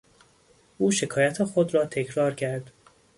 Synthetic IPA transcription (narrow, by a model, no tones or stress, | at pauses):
ʔuːʃe̞kʰɒːjæt̪ʰexod̪ɾɒːt̪ʰe̞cʰɾɒːɾcʰæɾd̪̥